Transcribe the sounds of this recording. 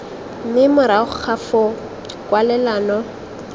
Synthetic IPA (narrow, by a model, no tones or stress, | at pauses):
m̩mɪmʊɾaχʊk͡xʰafʊ | kʼwalɛlaːnɔ